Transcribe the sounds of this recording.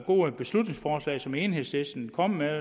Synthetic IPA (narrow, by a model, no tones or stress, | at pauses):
ɡ̥o̝̰ːb̥e̝slud̥ne̝ŋsfɒːslɛ̰ɪsɒ̽me̝ːnɦe̝ðˠsesd̥n̩kʰɒ̽m̰me